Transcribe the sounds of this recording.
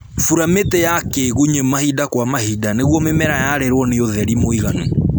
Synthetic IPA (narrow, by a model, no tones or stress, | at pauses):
fuɾametɛjakeɣuɲemahidakwamahidaneɣwɔmemɛɾajaɾeɾwɔneoðɛɾimoiɣanu